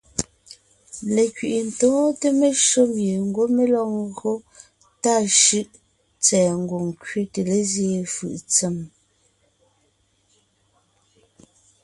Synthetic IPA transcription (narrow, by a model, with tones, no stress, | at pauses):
le˨kɥi˨ʔi˨n̩˨tɔː˨˦te˦me˦ʃo˦mje˨ŋ̩˦ɡo˦me˦lɔ˦˨ŋɣo˦ | ta˦˨ʃɯ˦ʔ | t͡sɛː˨ŋ̩˨ɡo˨ŋ˨kɥe˦te˨le˦zje˨fɯ̰˨ʔt͡se˨m